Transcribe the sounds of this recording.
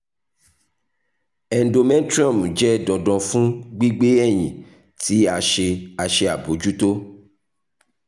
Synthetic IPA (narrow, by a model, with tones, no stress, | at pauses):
ɛ̃˨n˦do˧mɛ̃˦n˦tɾɔ̃˦˨m˨d͡ʒɛ˦dɔ̃˨dɔ̃˧fũ˦ɡ͡bi˦ɡ͡be˦ɛ˦˨j̃ĩ˨ | ti˨˦a˧ʃe˧a˧ʃe˧a˨bo˨˦d͡ʒu˦to˦